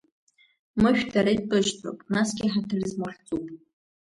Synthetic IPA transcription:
mɨʃᶣdʰaɾaipʼɨʒtʰo̰pʼnasɡʲɪħatʰɨrzmʊħt͡sʼupʼ

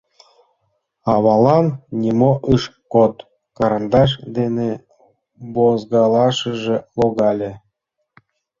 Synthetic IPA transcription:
ɑβɑlˠɑnnʲimoʔɯʃkot̪ | kɑɾɑnd̪ɑʃ̬d̪ene | bozɡɑlˠɑʃəʒĕlˠoɡɑlʲĕ

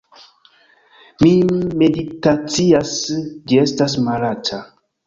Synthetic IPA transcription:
mime̞ditat͡siasd͡ʒie̞stas̬malatʰa

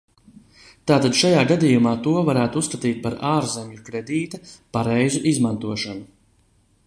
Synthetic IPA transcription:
t̪aːt̪ad̪ʃajaːɡad̪ijumaːt̪uɔvaɾæːt̪usːkat̪iːt̪̚paɾaːɾzɛɲukɾed̪iːt̪apaɾɛjzuʔizmant̪uɔʃanu

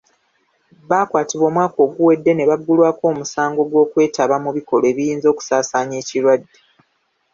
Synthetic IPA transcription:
βaːkwaːtiβo̞ːmwaːko̞ːɡuwe̞dːe̞ne̞βaɡːulwaːko̞ːmusaːŋɡo̞ɡwo̞ːkwe̞ːtaβamuβiko̞loe̞ːβijiːnzo̞ːku̥saːsaːɲeːciɾwadːe̞

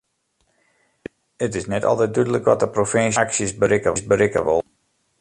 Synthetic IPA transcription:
ətɪsnɛtɔ̰lˠtɛt̚dydələkʋɔtəprofɪnsksjəsbəɾɪkəsbəɾɪkə̰ʋo̰lˠ

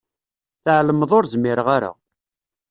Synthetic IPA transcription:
θʕləməðˤoɾzmːiɾəʁaɾa̰

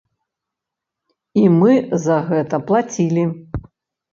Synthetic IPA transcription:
imɨzɐɣɛt̪ɐplˠat͡sʲilʲi

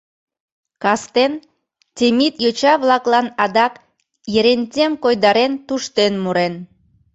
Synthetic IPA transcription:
kɑst̪en | tʲemit̪jot͡ɕɑβlɑklɑnɑd̪ɑk | jeɾenʲt̪ʲemkojd̪ɑɾent̪uʃt̪enmuɾen

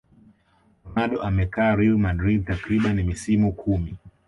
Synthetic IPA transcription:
maɗɔʔamɛkaːɾilmadɾid̚takɾiɓanimisimukʰumi

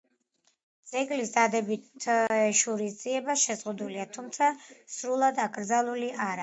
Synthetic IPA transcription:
d̪z̥ʼɛɡlisd̪ad̪ɛbit̪ʰɛʃuɾisd̪ziɛbaʃɛzʁud̪uliat̪ʰumt̪sʰasɾulˠad̪akʼɾd̪zalˠuliʔaɾa

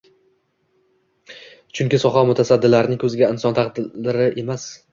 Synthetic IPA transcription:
t͡ʃʰʊŋkʲɪsɒχamʊt̪ʰasad̪ːɪlaɾɪnɪŋkʲʰɵzɪɡʲaɪnsɒnt̪ʰaqd̪ɪɪɾɪʔe̞mas

